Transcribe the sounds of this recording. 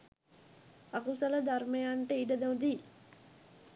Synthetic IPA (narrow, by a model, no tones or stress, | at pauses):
akusɐləd̪armejaɳʈəiɖəd̪ɐud̪iː